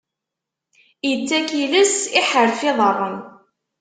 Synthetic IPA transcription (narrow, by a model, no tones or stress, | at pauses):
jət͡sːækiləsɪħəɾfɪðˤərˤːən